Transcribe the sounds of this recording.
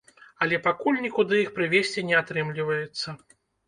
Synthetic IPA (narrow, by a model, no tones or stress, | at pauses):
ɐlʲɛpakulʲnʲikud̪ɨjixpɾɨvʲesʲt͡sʲinʲɛat̪ɾɨmlʲivɐjɛt̪sːɐ